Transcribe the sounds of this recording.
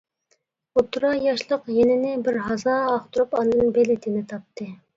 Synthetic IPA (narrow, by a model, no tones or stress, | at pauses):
ot̪ʰɾɑjɑʃlˠəqjenɪnɪbɪɾɦɑzɑːχt̪ʊɾupɑnd̪ɨnbelɪt̪ʰɪnɪt̪ʰɑp̚t̪ʰɨ